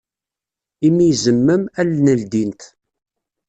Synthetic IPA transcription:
imːijzəmːəmælnəld̪int̪

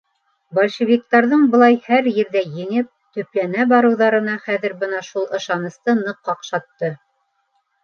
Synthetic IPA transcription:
bolʲʃĕvʲik̚t̪ɑɾðɤɴbɤ̆lˠɑjhæɾjɘ̆ɾðæjɘ̆ŋɘp̚t̪ɵ̆plænæbɑɾɤ̆wðɑɾɤ̆nɑχæðɘ̆ɾbɤnɑʃulˠɤ̆ʃɑnɤ̆st̪ɤnɤ̆qːɑqʃɑt̪ːɤ

